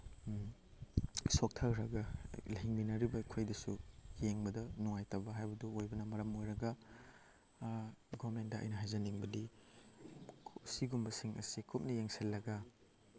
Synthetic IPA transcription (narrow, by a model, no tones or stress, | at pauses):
sok̚tʰɐɾɾɐɡɐlɐɦiŋminɐɾibɐkʰojdɐsujeŋbɐdɐnuŋajtɐbɐɦajbɐduojbɐnɐmɐɾɐmojɾɐɡɐ | ɡɔɾmentdɐɐ̰jnɐɦajzɐniŋbɐdi | siɡumbɐsiŋɐ̰sikʰup̚nɐjeŋselːɐɡɐ